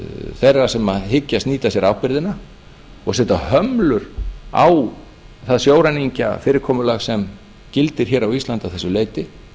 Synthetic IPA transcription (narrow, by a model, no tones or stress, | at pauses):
θejrːasɛmaɦɪcːast̪niːt̪asjɛɾawpɪɾðɪna | ɔɣsɛt̪ahœmlʏɾa̰w | θaðsjoːwɾaniɲca̰fɪːɾɪɾ̥kʰɔːmʏlaɣsɛm | cɪlt̪ɪɾ̥çɛːɾawist̪lant̪aðθɛsːʏleːjt̪ɪ